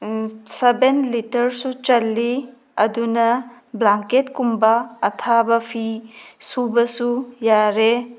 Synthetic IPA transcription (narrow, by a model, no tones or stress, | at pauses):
sebenlitɐɾsut͡ʃɐlːi | ɐdunɐ | blaŋketkumbɐːtʰabɐpʰisubɐsujaɾe